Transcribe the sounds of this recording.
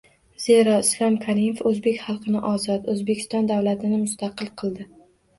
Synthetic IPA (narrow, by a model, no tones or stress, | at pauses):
zeɾɒɪslɒmkʰaɾimefɵzbe̞kʲχɑlˠqʰɨnɪʔɒzɒt̪ɵzbekʲʰɪ̥st̪ɒnd̪awlat̪ʰɪnɪmʊst̪ʰɑqɨlˠqʰɨlˠd̪ɪ